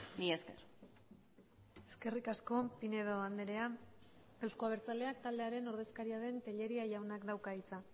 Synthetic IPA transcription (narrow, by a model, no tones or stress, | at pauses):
mieskeɾ | e̞ske̞rikasko̞pine̞ðoand̪eɾe̞a | e̞wskoaβe̞ɾt͡sald̪e̞akt̪ald̪e̞aɾe̞no̞ɾð̞e̞skaɾiaðe̞nt̪e̞ʎe̞ɾiaʝawnakd̪awkait͡sa